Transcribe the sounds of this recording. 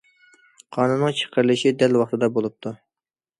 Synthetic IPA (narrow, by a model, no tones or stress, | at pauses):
qʰɑnunːəŋt͡ʃʰə̥qʰəɾlˠɨʃid̪ɛlwɑχt̪ʰɨd̪ɑbolˠup̚t̪ʰu